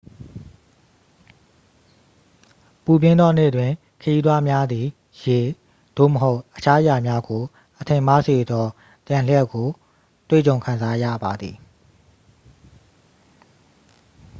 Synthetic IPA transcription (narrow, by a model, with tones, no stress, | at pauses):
pu˨pjɪ̃˦nd̪ɔ˦n̥ḛ˦˨dwɪ̃˨ | kʰəji˦d̪wa˦mja˦d̪i˨ | je˨ | d̥o̰˦˨məɦo˦ʊʔʔət͡ɕʰa˦ja˨mja˦ɡo˨ | ʔətʰɪ̃˨ma˦se˨d̪ɔ˦ | t̪jã˨l̥jɛ˦˨ʔkːo˨ | t̪wḛ˦˨t͡ɕõ˨ʊ̃kʰã˨nza˦jä̰˦˨ba˨d̪ði˨